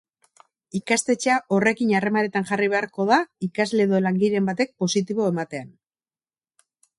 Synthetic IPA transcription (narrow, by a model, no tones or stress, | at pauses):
ikast̪e̞t͡ʃaʔo̞re̞kinare̞maɾe̞t̪anʝariβ̞e̞aɾko̞ð̞aikazle̞ːðo̞laŋɡiɾe̞mbat̪e̞k̚po̞sit̪̬iβo̞e̞mat̪e̞an